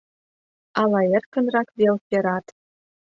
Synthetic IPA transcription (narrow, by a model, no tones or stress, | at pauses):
ɑlˠɑjĕrkɤ̆nrɑkvʲelpʲĕɾɑt̪